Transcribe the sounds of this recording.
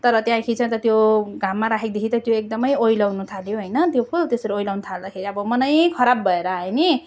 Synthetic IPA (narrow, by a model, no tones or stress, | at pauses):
t̪ʌɾʌt̪jãj̃kʰit͡sʰʌ̃t̪ʌt̪joɡʱamːaɾakʰek̚d̪ekʰit̪ʌt̪joek̚d̪ʌmʌjojlawnut̪ʰaljoɦʌjnʌt̪jopʰult̪esʌɾoojlawnut̪ʰald̪akʰeɾiʌbʌmʌnʌjkʰʌɾabbʱʌeɾʌɦʌjni